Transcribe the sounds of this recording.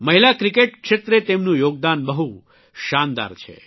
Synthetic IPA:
məɦilakɾikeʈkʃet̪ɾet̪emnũjoɡ̚d̪anbəɦu | ʃand̪a̰ɾt͡ʃʰḛ

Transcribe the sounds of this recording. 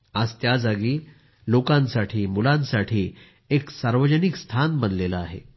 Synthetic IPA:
ad͡zt̪jad͡zaɡiː | lokãnsaʈʰiːmulãnsaʈʰiː | eksaɾʋəd͡ʑənikst̪ʰanbənlelaaɦḛ

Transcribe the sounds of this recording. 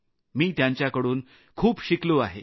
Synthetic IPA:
miːt̪jãɲt͡ɕjakəɽuːn | kʰuːpɕikloaɦe

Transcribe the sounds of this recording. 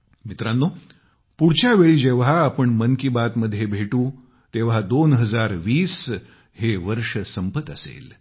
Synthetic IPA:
mit̪ɾanːo | puɽt͡ɕjaʋeɭiːd͡ʑeʋɦaːpəɳmənkibat̪məd̪ʱːjebʱeʈũː | t̪eʋ̤ɦad̪onɦəd͡zaɾʋiːs | heʋəɾʂəsəmpət̪əsḛl

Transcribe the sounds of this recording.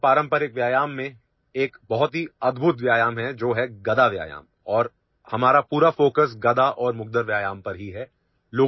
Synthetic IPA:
paːɾə̃mpəɾɪkʋjaːjaːmːẽ | eːkbɐɦʊt̪ɦiɐd̪bʱʊt̪ʋjaːjaːmɦɛd͡ʒoːɦɛɡɐd̪aʋja̰ːja̰ːm | ɔːɾ | hɐmaːɾapuːɾafoːkəs̬ɡɐd̪aʔɔːɾmʊɡ̚d̪əɾʋjaːjaːmpɐɾɦiɦɛ | loː

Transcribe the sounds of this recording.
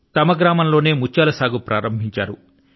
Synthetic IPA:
t̪ɐmɐɡɾaːmɐmlo̞ːne̞ːmut͡ʃːaːlɐsaːɡupɾaːɾɐmbʱiɲt͡ʃa̰ːɾu

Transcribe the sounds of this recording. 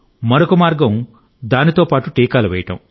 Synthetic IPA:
mɐɾokɐmaːɾɡɐm | d̪aːnit̪oːpaːʈuʈiːkaːlɐʋɛjɐʈɐ̰m

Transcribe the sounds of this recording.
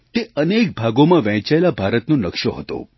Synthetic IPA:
t̪eənek̚bʱaɡomãʋɛ̃t͡ʃaelabʱaɾət̪nõnəkʃoɦət̪o̰

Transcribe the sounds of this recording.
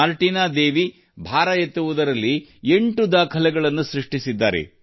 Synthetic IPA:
aːlʈiːnaːd̪e̞ːʋi | bʱaːɾɐjet̪ːuʋud̪ɐɾɐlːie̞ɳʈud̪aːkʰɐlɛɡɐɭɐnːusɾiʂʈisid̪ːaːɾḛ

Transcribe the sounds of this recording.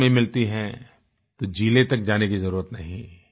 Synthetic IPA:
mẽmɪlt̪iɦɛ̃ | t̪od͡ʒiːlet̪ɐk̚d͡ʒaːnekizɐɾuːɾət̪nɐɦĩ

